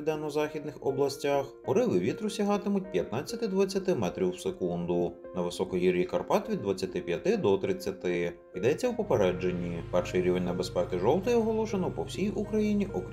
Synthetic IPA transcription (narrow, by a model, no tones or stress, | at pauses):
d̪ɛnɔzɑxʲid̪nɪxɔblˠɐsʲtʲaxpɔɾɪʋɪʋʲit̪ɾʊsʲɐɦɑt̪ɪmʊt̚ʲpʲjɐt̪nɑt͡sʲːɐt̪ɪd̪ʋɐt͡sʲːɐt̪ɪmɛt̪ɾʲiwsekund̪ʊ | nɐʋɪsɔkɔjiɾʲjikɐrpɑt̪ʋʲid̪ːʋɐt͡sʲːɐt̪ɪpʲjɐt̪ɪd̪ɔt̪ɾɪt͡sʲːɐt̪ɪ | id̪ɛt͡sʲːɐwpɔpe̞ɾɛd͡ʒe̞nʲːipɛrʃɪjɾʲiʋenʲnːɐbespɛkɪʒɔlˠt̪ɪjɔɦɔlˠɔʃenɔpɔwsʲijukɾɐjinʲiʔɔkʲ